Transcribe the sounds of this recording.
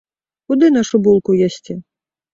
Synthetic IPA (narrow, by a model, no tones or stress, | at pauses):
kud̪ɨnaʂubulˠkujasʲt͡sʲi